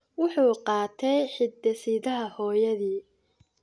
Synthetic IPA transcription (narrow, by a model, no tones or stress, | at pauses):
wʊħuːqɑːt̪ʰɛjħɪd̪ːɛsiːðɐɦɐhɔːjɐðiː